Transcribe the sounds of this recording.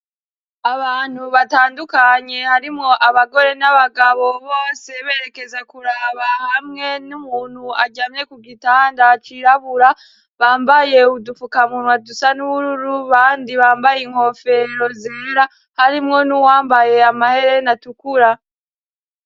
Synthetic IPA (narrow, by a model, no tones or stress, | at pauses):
aβaːn̥huβataːndukaɲe̞haɾimŋo̞ʔaβaɡo̞ɾe̞naβaɡaβo̞βo̞ːse̞βe̞ːɾe̞ke̞zekuɾaβahamŋe̞numuːn̥huaɟame̞kuɡitaːndat͡ʃiɾaβuɾa | βaːmbaje̞udufukamunwadusanuβuɾuɾuβaːndiβaːmbajiŋ̥ho̞fe̞ɾo̞zeːɾa | haɾimŋo̞nuwaːmbaje̞amahe̞ɾe̞natukuɾa